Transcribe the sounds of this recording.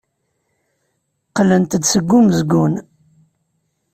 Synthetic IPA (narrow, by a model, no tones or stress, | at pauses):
qlənt̪əd̪səɡʷːuməzɡːun